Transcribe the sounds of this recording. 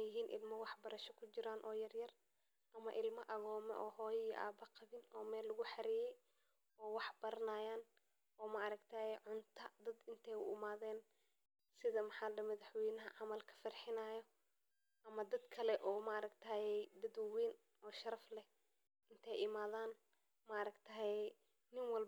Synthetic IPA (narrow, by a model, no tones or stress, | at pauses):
jɪɦiːnʔɪ̰lmɐwɑħbɐɾɐʃɔkʰʊt͡ʃɪɾaːnʔɔːjɐrjɐr | ʔɐmɐʔɪlmɐʔɐɣɔːmɛ̰ʔɔːhɔːjɪʔa̰ːbɐqɑβɪnɔːmɛːlːɐɣʊħɑɾijɛj | ɔːwɑħbɐɾɐnaːjaːn | ɔːmɐʔɐɾɐɡt̪ʰaːjɛjʕʊnt̪ʰɐd̪ɐd̪ɪnt̪ʰɛjʊ̰ɪmaːðɛːn | sɪðɐmɑħɑːlɖɐmɐðɐħwɛjnɐɦɐʕɑmɐlkʰɐ̥fɐrħɪnaːjɔ | ʔɐmɐd̪ɐd̪kʰɐlɛʔɔːmɐɐɾɐkt̪ʰɐjɛjd̪ɐd̪wwɛːn | ɔːʃɐɾɐflɛ | ɪnt̪ʰɛjɪmaːðaːn | mɐɾɐɡt̪ʰɐːɛj | nɪnwɑl